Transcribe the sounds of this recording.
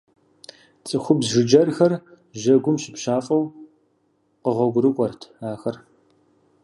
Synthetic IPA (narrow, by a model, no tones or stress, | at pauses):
t͡sʼɨxʷʊbzʒɪd͡ʒɐrxɐr | ʒɐɡʷʊmɕɪpɕaːfʼɐw | qəʁʷɔɡʷʊɾɨkʷʼɔrtʰaːxɐr